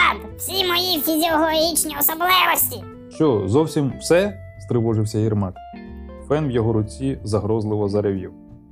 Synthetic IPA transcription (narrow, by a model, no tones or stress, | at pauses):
d̪wsʲimɔjifʲizʲiɔlˠɔɦʲit͡ʃnʲiɔsɔblˠɪʋɔsʲtʲi | ʃt͡ʃɔzɔwsʲimwsɛ | st̪ɾɪʋɔʒɪwsʲɐirmɑt̪fɛnwjɔɦɔɾʊt͡sʲizɐɦɾɔzlˠɪʋɔzɐɾeʋʲiw